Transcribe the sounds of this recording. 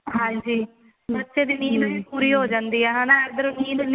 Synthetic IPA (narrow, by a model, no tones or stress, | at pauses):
ɦãːɲd͡ʒiː | bətːʃeːd̪iːnĩːnəipuːɾiːɦoːd͡ʒãːnd̪iːɦɛːɦãːnaɛd̪əɾuniːnəl